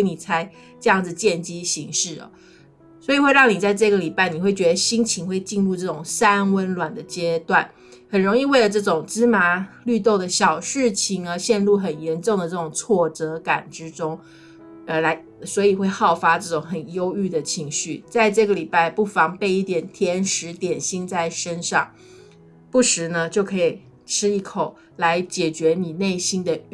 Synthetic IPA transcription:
ni˨˩t͡sʰa˥ɪ | ʈ͡ʂɤ˥˧jɑ˥˩ŋd͡z̩˩t͡ɕjɛ˥˩nt͡ɕi˥ɕi˧˥ŋʂɻ̩˥˩ɐ̰˩ | swɔ˧˥i˨˩xwe˥˧ɪɻɑ˥˩ŋni˨˩t͡sa˥˧ɪʈ͡ʂɤ˥˩ɡə˩li˨˩pa˥˩ɪni˨˩we˥˩ɪt͡ɕɥɛ˧˦d̪ə˧ɕi˥ŋt͡ɕʰi˧˥ŋxwe˥˧ɪt͡ɕi˥˧nlu˥˧ʈ͡ʂɤ˥˩ʈ͡ʂʊ˨˩ŋsa˦˥nwə˦˥nlwa˨˩nd̪ə˦t͡ɕjɛ˥t̪wa˥˩n | hə˨˩nɻo˧˥ŋi˥˧we˥˩ɪlə˩ʈ͡ʂɤ˥˩ʈ͡ʂʊ˨˩ŋʈ͡ʂɻ̩˥ma˧˥ly˥˧t̪o˥˩ʊd̪ə˩ɕjɑ˨˩ʊʂɻ̩˥˩t͡ɕʰi˧˥ŋə˧ɕjɛ˥˧nlu˥˩xə˨˩njɛ˧˦˥nʈ͡ʂʊ˥˩ŋd̪ə˩ʈ͡ʂɤ˥˩ʊ˨˩ŋt͡sʰwɔ˥˩ʈ͡ʂɤ˧˥ka˨˩nʈ͡ʂɻ̩˥ʈ͡ʂʊ˥ŋ | ə˧˩la˧˥ɪ | swɔ˧˥i˨˩xwe˥˧ɪxɑ˥˩ʊfa˥ʈ͡ʂɤ˥˩ʈ͡ʂʊ˨˧˥ŋxə˨˩njo˥ʊy˥˩d̪ə˩t͡ɕʰi˧˥ŋɕy˥˩t͡sa˥˧ɪʈ͡ʂɤ˥˩ɡə˩li˨˩pa˥˧ɪpu˥˩fɑ˧˥ŋpe˥˧ɪi˥˩t̪jɛ˨˩nt̪ʰjɛ˧˥nʂɻ̩˧˥t̪jɛ˨˩nɕi˥nt͡sa˥˩ɪʂə˥nʂɑ̰˥˧ŋ | pu˥˩ʂɻ̩˧˥nə˧t͡ɕjo˥˩ʊkʰɤ˧˥i˨˩ | ʈ͡ʂʰɻ̩˥i˥˩kʰo˨˩ʊ | la˧˥ɪt͡ɕjɛ˨˩t͡ɕɥɛ˧˥ni˨˩ne˥˩ɪɕi˥nd̪ə˨

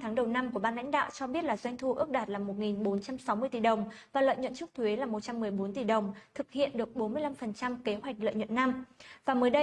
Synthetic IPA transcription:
t̪ʰaː˨˦ŋɗə˨˩wna˧mku˧˩əɓaː˧la̰˧˥ŋ̟ɗa̰ː˧˨wt͡ɕɔ˧ɓi˦˥ət̚laː˨˩zwa˧jŋ̟t̪ʰu˧ʔɨ˦˥ək̚ɗaː˨˩t̚laː˨˩mo˨˩t̚ŋi˨˩nɓo˨˦nt͡ɕa˧msa˨˦wmɨ˧əjt̪i˨˩ɗə˨˩wŋ͡mvaː˨˩lwa̰ː˧˨jɲwə̰˧˨nt͡ɕʊ˦˥k͡p̚t̪ʰwe˨˦laː˨˩mo˨˩t̚t͡ɕa˧mːɨ˨˩əjɓo˨˦nt̪i˨˩ɗə˨˩wŋ͡mt̪ʰɨ˨˩k̚hḭ˧˨ənɗɨ˨˩ək̚ɓo˨˦nmɨ˧əjla˧mfə˨˩nt͡ɕa˧mke˨˦ɦwa˨˩jk̟̚lə̰˧˨jɲwə̰˧˨nːa˧mvaː˨˩məː˨˦jɗə˧

